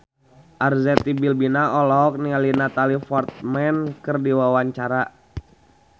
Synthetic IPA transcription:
ʔarzɛt̪ibilbinaɔlɔk̚nialinat̪alifɔrt̪̚mɛnkərdiwawaɲt͡ʃaɾa

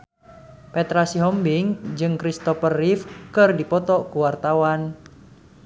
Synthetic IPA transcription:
pɛt̪ɾasiɦɔmbiŋd͡ʒɨŋkɾist̪ɔfərːifkɨrdipɔt̪ɔkuwart̪awan

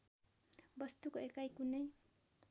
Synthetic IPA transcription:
bʌst̪ukoekajkunʌj

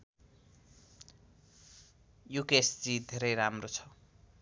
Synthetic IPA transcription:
jukesd͡zid̪ʱeɾʌjɾamrot͡sʰʌ̥

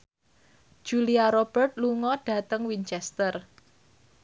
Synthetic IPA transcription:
d͡ʒ̥uliaɾob̥ərt̪̚luŋɔɖ̥ä̤t̪əŋwint͡ʃɛst̪ər

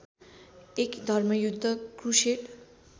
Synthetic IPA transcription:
ekd̪ʱʌrmʌjud̪ʱːʌkruseʈ

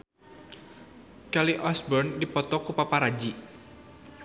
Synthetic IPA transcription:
kaliʔɔsbɔrndipɔt̪ɔkupapaɾad͡ʒi

